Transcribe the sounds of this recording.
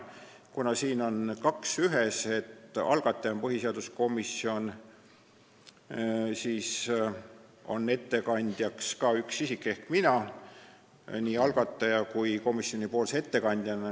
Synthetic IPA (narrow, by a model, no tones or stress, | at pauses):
kunɑsiːno̞nkɑksyɦese̞t̪ːɑ̰lɡ̥ɑt̪ːˑɑjɑmpɤɦise̞ɑd̪̥usko̞misːio̞n | siːs | o̞̰nːe̞t̪ːe̞kɑnʲd̪̥jɑkskɑːyksisikːˑe̞hkminɑ | niːɑlɡ̥ɑt̪ˑːɑjɑkujko̞misːjo̞nʲipo̞ːlse̞t̪ːe̞kɑnʲd̪̥jɑn